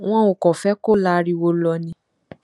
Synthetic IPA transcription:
w̃ɔ̃˦o˨kɔ˨fɛ˦ko˦la˦ɾi˦˧wo˧lɔ˧nĩ˧

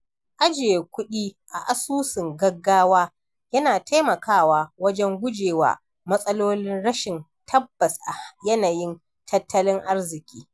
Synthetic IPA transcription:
ʔa˦d͡ʒɪ˨e˨kʷʊ˦ɗiː˦ʔa̰˨ʔa˨suː˦sɪ˨ŋɡɐ˦ɡːaː˦waː˦ | jɐ˦naː˨tʰa˦jmɐ˨kʰaː˦˨waː˨wɐ˦d͡ʒɛ˦ŋɡʷʊ˦d͡ʒeː˨wa̰ː˨ | mɐ˦sʼɐ˦loː˦lɪ˦nɽɐ˦ʃɪ˨n | tʰɐ˦bːɐ˨sʔa˨jɐ˦na˨jɪ˦n | tʰɐ˦tːɐ˦lɪ˦ŋʔa˦rzɪ˨kʲiː˦

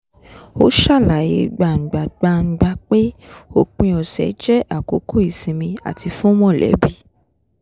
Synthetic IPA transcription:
o˦ʃa˦˨la˨je˧ɡ͡ba˧˨ŋ̩˨ɡ͡ba˨ɡ͡ba˧ŋ̩˧ɡ͡ba˧k͡pe˦o˦˨k͡pĩ˧ɔ˨sɛ̰˨˦d͡ʒɛ˦ʔa˦˨ko˨˦kʰo˦˨i˦˨sĩ˧mĩ˧a̰˨tʰi˧fũ˦mɔ̃˦˨lɛ̰˨˦bi˦˨

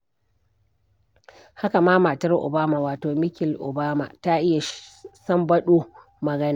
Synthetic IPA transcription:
ha˦ka˨maː˦maː˨tɐ˦rʔʊ̰˨baː˦ma˨waː˨toː˨mɪ˦kʲɪ˨lʔʊ̰˨baː˦ma̰˨ta˦ʔɪ˦ja˨sɐ˦mbɐ˦ɗuː˦ | mɐ˨ɡɐ˦na˨

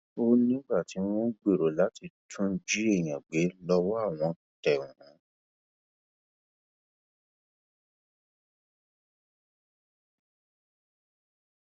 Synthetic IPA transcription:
o˦nĩ˦ɡ͡ba˦˨ti˨˦w̃ɔ̃˦ɡ͡be˦˨ɾo˨la˨˦ti˧tʰũ˦d͡ʒi˦e˦˨j̃ã˨ɡ͡be˨˦lɔ˧wɔ˦a˦˨w̃ɔ̃˧ | tɛ˨ũ˨ɾũ˨˦

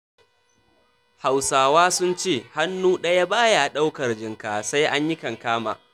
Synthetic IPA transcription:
ha˨wsaː˨waː˦sʊ˦nt͡ʃeː˦˨ha˦nːuː˦ɗɐ˦ja˦baː˦ja˨ʔa˨ɗa˦wkɐ˨rd͡ʒɪ˨ŋkaː˨sa˦jʔa˦ɲjɪ˦kɐ˨ŋkaː˦ma̰ː˨

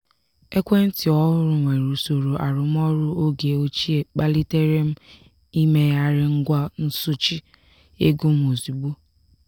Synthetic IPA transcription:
e˦kʷe˦n̩˦tɪ˨ɔ˦ɦʊ˦ɾʊ˨ŋʷe˨ɾu˨so˨ɾo˨ʔa˨ɾʊ˨m˦ɔ˦ɾʊ˦o˦ɡe˨o˦t͡ʃi˦e˨k͡pa˦li˦te˦ɾe˦m̩˦ | i˦me˦ja˦ɾɪ˦ŋ̩˦ɡʷa˦n̩˦sʊ˦t͡ʃi˦ | e˦ɡu˦m̩˦o˨zi˨ɡ͡bu˦

